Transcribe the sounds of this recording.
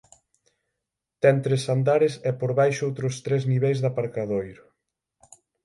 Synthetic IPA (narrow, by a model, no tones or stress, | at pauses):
t̪ɛnt̪ɾesand̪aɾɪsɛpoɾβajʃʊowt̪ɾʊst̪ɾezniβɛjzðapaɾkaðojɾ